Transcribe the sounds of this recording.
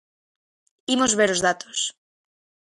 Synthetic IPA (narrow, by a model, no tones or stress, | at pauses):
imozβeɾozðat̪os